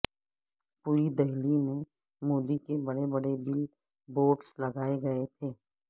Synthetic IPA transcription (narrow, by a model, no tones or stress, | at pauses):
puid̪ɛɦlimẽ | moːd̪ikebɐɽebɐɽebɪl | boːʈslɐɡaːeɡɐet̪ʰeː